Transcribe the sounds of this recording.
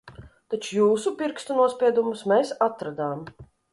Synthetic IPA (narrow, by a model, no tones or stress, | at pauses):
t̪at͡ʃujuːsupiɾkst̪unuɔspʲiɛd̪umusmeːsat̪ɾad̪aːm